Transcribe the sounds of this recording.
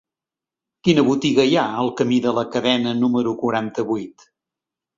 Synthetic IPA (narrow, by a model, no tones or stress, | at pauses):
kinəβut̪iɣəiaəlˠkəmiðələkəðɛnənuməɾukuɾant̪əβujt̪